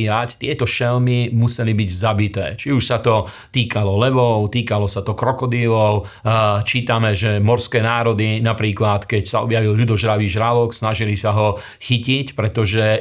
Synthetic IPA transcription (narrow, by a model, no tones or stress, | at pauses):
act̪ɪɛt̪ɔʃɛlmimusɛlibiɟzabit̪ɛ̰ːt͡ʃiuʃsat̪ɔ | t̪iːkalɔlɛʋɔʊt̪iːkalɔsat̪ɔkɾɔkɔd̪ilɔʊ | t͡ʃiːt̪amɛʒɛmɔɾskɛːnaːɾɔd̪inapɾiːklat̪kɛcsaɔ̰bjaʋilʎud̪ɔʒɾaʋiːʒɾalɔksnaʒilisaɦɔ | xicicpɾɛt̪ɔʒɛ